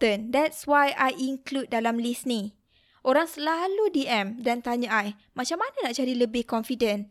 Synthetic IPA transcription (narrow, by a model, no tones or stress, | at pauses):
əndɛtswajʔajiŋklud̚dːalamlisnĩ | ʔoɾaŋsəlaludiɛ̃mdant̪aɲãaj | mãt͡ʃamːãnãnaʔd͡ʒaɾiləbɪhkɔnfidə̃n